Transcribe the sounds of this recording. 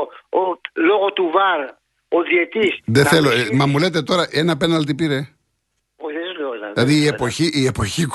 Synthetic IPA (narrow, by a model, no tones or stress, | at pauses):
oloɣot̪uvaɾ | oðjet̪isðeθelomɐmule̞t̪̬e̞t̪o̞ɾɐʔenɐpenɐlt̪ipiɾe | oðelollɐðiːepoçiːepoçik